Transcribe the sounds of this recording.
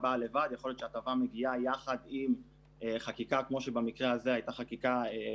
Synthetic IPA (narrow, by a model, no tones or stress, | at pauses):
bale̞vad̪jeχoljott͡ʃeat̪avame̞ɡiajaχad̪im | eχakikakmo̞ʃebamikʁeazeajt̪aχakikae